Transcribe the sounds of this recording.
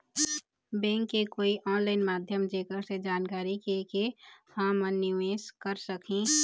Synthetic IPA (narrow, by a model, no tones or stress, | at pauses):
bɛ̃ːŋkːekoːiʔɔːnlaːɪnmaːd̪ʱjəmd͡ʒeːkəɾsed͡ʒaːnkaːɾikekepãməniʋeːskəɾsəkʰĩ